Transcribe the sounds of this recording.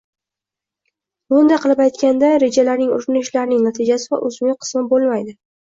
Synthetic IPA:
bʊnd̪ajqʰɨlˠɪpajt̪kʲand̪aɾe̞d͡ʒalaɾnɪŋʊ̰ɾɪnɪʃlaɾnɪŋnat̪ʰɪd͡ʒasɪva̰ʔɵzmqʰɨ̥smɪbolˠmajd̪ɪ

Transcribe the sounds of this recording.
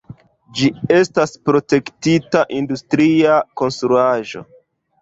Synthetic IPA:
d͡ʒie̞staspɾo̞te̞ktitaʔindustɾiako̞nstɾuaʒo̞̰

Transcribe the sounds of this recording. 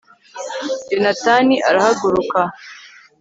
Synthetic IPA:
d͡ʒenataniʔaɾahaɡuɾuka

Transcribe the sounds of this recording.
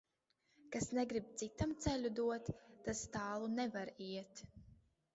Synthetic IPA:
kasnɛɡɾib̚t̪sit̪amt̪sɛlʲud̪uɔt̪ːast̪aːlˠunɛvaɾiɛt̪

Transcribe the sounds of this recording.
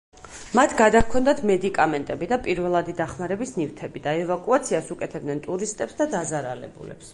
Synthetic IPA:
mat̪ʰɡad̪akʰɔnd̪at̪ʰmɛd̪ikʼamɛnt̪ʼɛbid̪apʼiɾvɛlˠad̪id̪aχmaɾɛbisnivt̪ʰɛbid̪aɛvakʼuat̪sʰiasukʼɛt̪ʰɛbd̪nɛnt̪ʼuɾist̪ʼɛpsd̪ad̪azaɾalɛ̰bṵlɛ̰ps

